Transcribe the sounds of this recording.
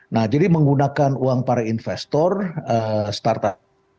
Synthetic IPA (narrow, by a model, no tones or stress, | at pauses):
nahd͡ʒadiməŋɡunakanuaŋpaɾainfɛst̪ɔrəst̪art̪a